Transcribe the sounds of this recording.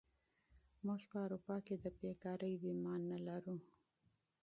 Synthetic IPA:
muʒpəawɾupɑked̪əbekɑɾəjbimɑnːalaɾu

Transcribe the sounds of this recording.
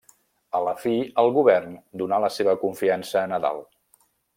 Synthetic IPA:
ələfiəlˠɣuβɛrnd̪unaləseβəkuɱfiansəːnəða̰lˠ

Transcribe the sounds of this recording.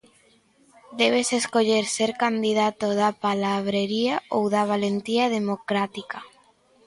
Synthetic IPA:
d̪eβ̞eseskoʎeɾseɾkand̪iðat̪oðapalaβɾeɾiaowðaβ̞alent̪iað̞emokɾat̪ika

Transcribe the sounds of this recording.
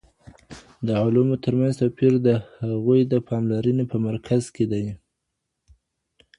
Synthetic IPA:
d̪əʕʊlumot̪əɾmanzt̪apiɾd̪əhaɣujd̪əpʰɑmlaɾənepəmaɾkʰazked̪aj

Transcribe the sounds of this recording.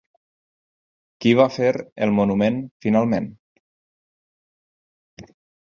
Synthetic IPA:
kiβafeɾə̰lˠmunumenfinalˠmen

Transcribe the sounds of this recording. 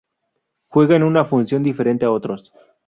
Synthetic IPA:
xwe̞ɣaenunafunsjo̞nd̪ife̞ɾe̞nt̪eao̞t̪ɾos

